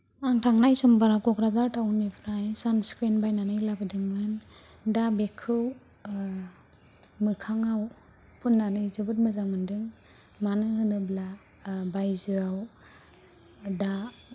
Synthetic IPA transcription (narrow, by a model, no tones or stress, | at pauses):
aŋtʰaŋnajsɔmbaɾakɔkɾazaɾtʰawnmipʰɾajsanskɾenbajnanɯjlabɯdɯŋmɯn | dabekʰɯw | mɯkʰaŋaw | pʰunːanɯjzɯbɯt̚mɯzaŋmɯndɯŋ | manɯɦɯnɯbla | bajzɯaw | da